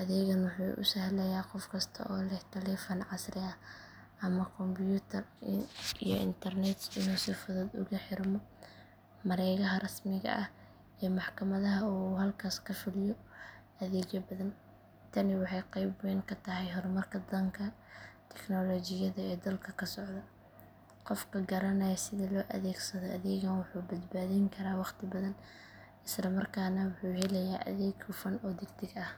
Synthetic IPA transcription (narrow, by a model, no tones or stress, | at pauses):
ʔɐðɛːɣɐnwʊħṵːʔʊ̰sɐhlɛjaːqɔfkʰɐst̪ʰɐ̰ʔɔːlɛht̪ʰɐlɛːfɐnʕɑsrɪɐ | ʔɐmɐkʰɔmbjuːt̪ʰɐr | ḭjɔ̰ʔɪ̰nt̪ʰɐrnɛt̪sɪnuːsɪfʊðɔːd̪ʊ̰ɣɐħɪrmɔ | mɐɾɛjɣɐɦɐrɐsmɪɣɐ̰ʔɐh | ijɔmɑħkʰɐmɐðɐɦɐuhɐlkʰaːskʰɐfɪlɪjɔ | ɐðɛːd͡ʒɐbɐðɐn | t̪ʰɐnɪwɑħɑjqɑjbwɛːŋkʰɐt̪ʰɐɦɛjɦɔɾmɐrkʰɐd̪ɐŋkʰɐt̪ʰɛ̥knɔlɔːt͡ʃɪjɐðɐɛːd̪ɐlkʰɐkʰɐsɔʕðɐ | qɔfkʰɐɡɐɾɐnɐjɐsɪðɐlɔːʔɐ̰ðɛːɡsɐðɔʔɐðɛːɣɐnwʊħuːbɐd̪baːðiŋkʰɐɾaːwɑqt̪ʰɪbɐðɐn | ɪslɐmɐrkʰaːnɐwʊħuːhɛlɛjaːʔɐ̰ðɛːɡʰʊfɐnɔːd̪ɪɡt̪ʰɪɡɐh